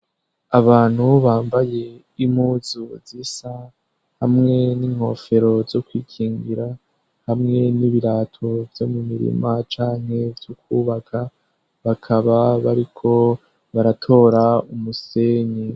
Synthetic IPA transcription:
aβaːn̥huβaːmbaje̞ | im̥huːzuzisa | hamŋe̞niŋ̥ho̞fe̞ɾo̞zo̞kwiːkʰiːŋɡiɾa | hamŋe̞niβiɾaːtʰo̞vjo̞mumiɾḭmat͡ʃaːŋ̥he̞vjukʰuːβakʰa | βakʰaβaβaɾikʰo̞ | βaɾatʰo̞ːɾaumuse̞ni

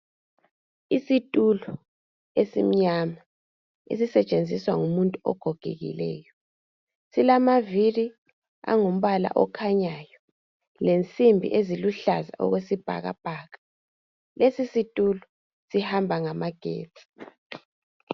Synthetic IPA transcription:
isitʼulɔ | esḭm̩ɲama | ḛsisɛt͡ʃʼend͡zʱiswaŋumuntʼuɔ̰ɡ̥ʱɔɡ̥ʱḛɣḭlɛːjɔ | silamaviri | a̰ŋum̩βala̰ʔɔ̰kʰaɲajɔ | lent͡sʼimbʱḭʔeziluɬaza̰ʔɔ̰ɣwesib̥ʱa̰ɣa̰b̥ʱaːɣḁ | lesisitʼulɔ | sihambʱaŋamaɡ̥ʱḛːt͡sʼi̥

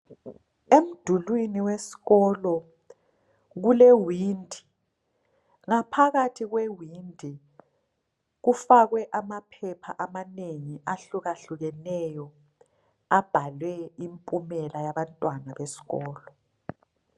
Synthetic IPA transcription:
em̩d̥ʱulwiniwesi̥ɣɔlɔ | ɣ̬ulewiːndʱi | ŋapʰaɣatʰiɣ̬wewindʱi | ɣufaɣ̬wɛʔamapʰɛpʰaʔamaneŋiʔaɬuɣaɬuɣ̬ɛnɛjɔ | ab̥ʱalwɛimpʼumɛlajaɓantʼwanaβesi̥ɣɔːlɔ

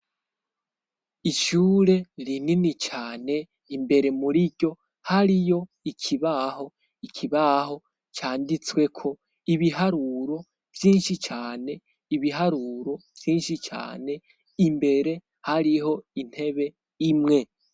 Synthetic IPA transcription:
iʃuːɾe̞ɾininit͡ʃaːne̞ | imbe̞ɾe̞muɾiɟo̞ | haɾijo̞ | ikʰiβaho̞ | ikʰiβaɦo̞ | t͡ʃaːndit͡swe̞kʰo̞ | iβiɦaɾuɾo̞ | v̥jiːnʃit͡ʃaːne̞ | iβiɦaɾuːɾo̞v̥jiːnʃit͡ʃa̰ːne̞ | imbe̞ɾe̞ | haɾiɦo̞in̥he̞βe̞ | imŋe̞

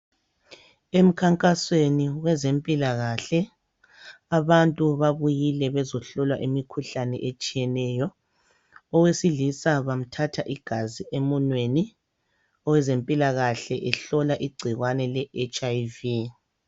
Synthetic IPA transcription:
em̩kʰaŋkʼasweniwɛzempʼilaɣaɬɛ | aβantʼuβaβujilɛβɛzɔɬɔlwaʔimikʰuɬanɛ̰ʔet͡ʃʼijɛnɛjɔ | ɔwesiɮisaβam̩tʰatʰaʔiɡ̥ʱaziʔemɔnweni | ɔwɛzempʼilaɣaɬɛʔɛɬɔlaʔiɡ͡ǀʱiɣwanɛlɛʔet͡ʃʼaivi

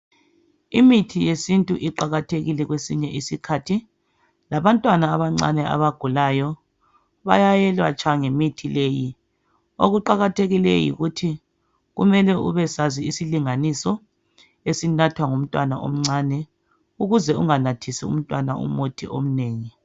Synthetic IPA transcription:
imitʰijesintʼuʔiǃaɣatʰeɣilɛɣwesiɲɛʔisikʰatʰi | laβantʼwanaːβaŋ͡ǀa̰nɛa̰βaɡ̥ʱulajɔ | βajajɛlwa̰t͡ʃʰʼaŋemitʰileːji | o̰ɣuǃaɣatʰeɣilḛjḭɣutʰi | ɣumɛlɛʔṵβɛsaziisiliŋanisɔ | esinatʰwaŋum̩tʼwanaʔo̰m̩ŋ͡ǀaːnɛ | uɣuzɛuŋanatʰisiṵm̩tʼwanaṵmotʰiʔom̩neːŋi

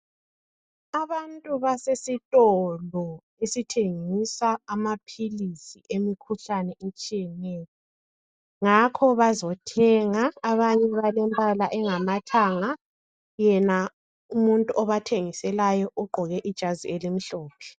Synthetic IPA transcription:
aβantʼuβasesitʼɔlɔ | esitʰeŋisaːmapʰilisiʔemikʰuɬanɛʔet͡ʃʼijɛnɛːjɔ | ŋakʰɔβazɔtʰɛŋaːβaɲɛβalɛmpʼalaʔɛŋamatʰaŋa | jɛna | umuntʼuʔɔβatʰeŋisɛlajɔʔuɡ͡ǃʱɔɣɛʔid̥ʒ̥ʱazielim̩ɬɔːpʰɛ̥

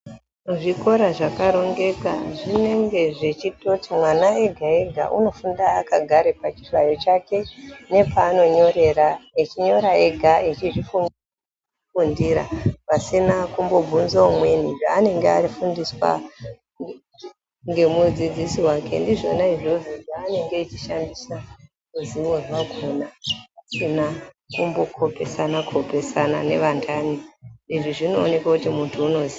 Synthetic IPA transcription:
ʐiko̞ɾaʐakaɾo̞ŋɡe̞ka̰ʐine̞ŋɡe̞ʐet͡ʃitotimwanae̞ɡʱae̞ɡʱa̰ʔṵno̞fundaːkaɡʱaɾepat͡ʃi̥ʐajo̞t͡ʃake̞ne̞paːno̞ɲo̞ɾe̞ɾait͡ʃiɲo̞ɾae̞ɡʱait͡ʃiʐifu | fundiɾa̰pasinakumbo̞bʱunzoomweniʐaːne̞ŋɡeaɾifundiswa̰ | ŋɡe̞mud͡zid͡zisiwake̞̰ndiʐo̞naiʐoziɡaːne̞ŋɡe̞it͡ʃiʃandisa | muziwweʐwaɡʱunapasina | kumbo̞kʰo̞pe̞sanakʰo̞pe̞sana̰ne̞̰ʋandʰʱaniiʐiʐinoːne̞kwakutimuntʰuːno̞zi

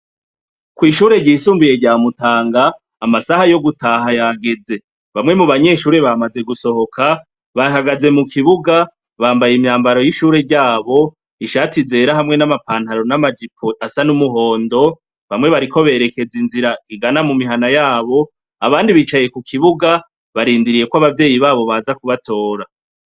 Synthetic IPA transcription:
kwiːʃuːɾe̞ɟiːsuːmbuje̞ɾɟaːmutaːŋɡaː | masahajo̞ɡutaːɦajaɡe̞ze̞ | βamŋe̞muβaɲe̞ːʃuːɾe̞βamaze̞ɡuso̞ho̞kʰa | βaɦaɡaze̞mukʰiβuɡa | βaːmbajimɲaːmbaɾo̞jiʃuːɾe̞ɾɟaːβo̞ | iʃaːtize̞ːɾaɦamŋe̞namapaːnthaɾo̞namad͡ʒipʰoasanumuɦo̞ːndo̞ | βamŋe̞βaɾikʰo̞βe̞ːɾe̞ke̞zinziɾaiɡanamumiɦanajaːβo̞ | aβaːndiβit͡ʃaje̞kukʰiβuɡa | βaɾiːndiɾije̞kwaβavje̞ːjiβaːβo̞βaːzakuβatʰo̞ːɾa

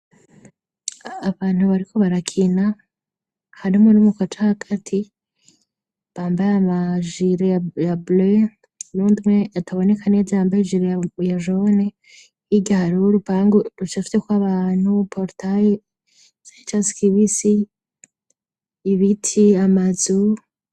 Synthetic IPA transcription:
βaːn̥huβaɾikʰo̞βaɾakʰina | haɾimonumukotahaɡ̥atʰi | βaːmbajamaʒiɾejable | nuːndumweatʰaβo̞ne̞kʰane̞d͡zajaːmbajeʒiɾejjaʒone | iɡahaɾiuɾupaːŋɡoɾut͡ʃafi̥tekwaβaːn̥hupʰoɾtʰaje | z̥ait͡ʃasi̥kiβisi | βitʰiamazu

